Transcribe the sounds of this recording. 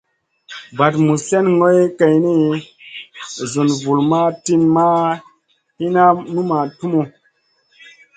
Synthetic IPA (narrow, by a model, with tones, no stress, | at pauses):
ba˨tmu˨se˦nŋo˦jke˨jni˦ | zu˨nvu˨lma˦ti˦nma˦ | hi˦na˦mi˦ma˨tu˦mo˨